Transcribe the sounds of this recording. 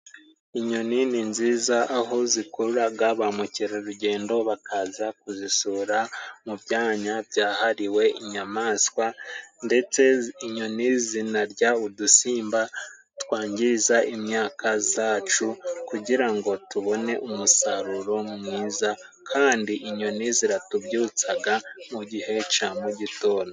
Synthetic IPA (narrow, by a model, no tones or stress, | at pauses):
iɲo̞nininziːzaʔːɦo̞zikuɾuɾaɡaβamuciɾeɾuɟe̞ːndo̞βakʰazakuzisuːɾamuβjaːɲabjaːhaɾiwe̞ʔiɲamaːskwande̞t͡se̞iɲo̞nizinaɾɟaudusiːmba | twaːɲɟizaʔimɲaːkʰazaːt͡ʃukuɟiɾaŋɡo̞tuβo̞ne̞ʔumusaɾuɾo̞mumŋiːza | kʰaːndiʔiɲo̞niziɾatubjuːt͡saɡamuɟihe̞t͡ʃamuɟito̞ːno